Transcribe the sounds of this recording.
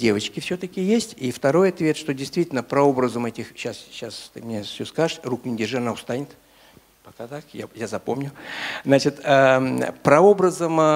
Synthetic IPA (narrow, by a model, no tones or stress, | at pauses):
dʲe̞vət͡ɕkʲɪfsʲɵt̪əkʲɪjesʲtʲift̪ɐɾo̞jɐt̪vʲe̞t̪ʂt̪o̞dʲɪjst̪vʲitʲɪlʲnəpɾɐo̞bɾəzəmɛtʲɪxɕasɕast̪ɨmnʲefsʲɵskaʐʂruknʲɪdʲɪʐɨnaʊst̪anʲɪt̪ | pɐkat̪akjajazɐpo̞mnʲʊznat͡ɕɪt̪əpɾɐo̞bɾəzəm